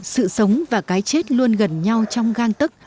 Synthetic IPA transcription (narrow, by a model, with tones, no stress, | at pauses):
sɨ̰˧˨sə˨˦wŋ͡mvaː˨˩kaː˨˦jt͡ɕe˦˥t̚lu˧ənɣə˨˩nɲa˧wt͡ɕɔ˧wŋ͡mɣaː˧ŋt̪ɨ˦˥k̚